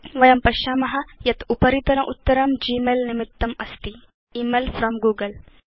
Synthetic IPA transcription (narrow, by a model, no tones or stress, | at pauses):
ʋɐjɐmpɐʃaːmɐɦɐjɐt̪upɐɾit̪ɐɾɐʔut̪ːɐɾɐmd͡ʒiːmelnɪmɪt̪ːɐmɐst̪i | iːmelfɾɔmɡuːɡɐl